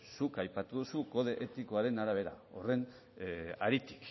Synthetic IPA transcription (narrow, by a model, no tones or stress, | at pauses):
sukajpat̪uðusuko̞ð̞eʔet̪iko̞aɾe̞naɾaβ̞e̞ɾa̰o̞̰re̞n | a̰ɾit̪i̥k